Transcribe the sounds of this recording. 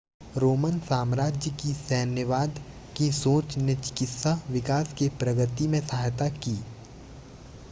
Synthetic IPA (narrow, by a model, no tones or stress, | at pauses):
ɾoːmənsaːmɾaːd͡ʒjəkisɛːnjəʋaːd̪ | kisoːt͡ʃnet͡ʃɪ̥kɪt̪saʋɪkaːskepɾɐɡət̪imẽsɐɦaːjt̪akiː